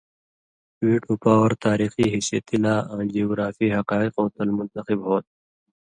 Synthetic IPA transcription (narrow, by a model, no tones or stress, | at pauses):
wiːʈoːpaːwɐɾt̪aːɾiːxiːɦisjḛt̪ilaːãːd͡ʒioɡɾaːfiːɦɐqaːiqoːt̪ɐlmʊnt̪ɐxibɦoːt̪̚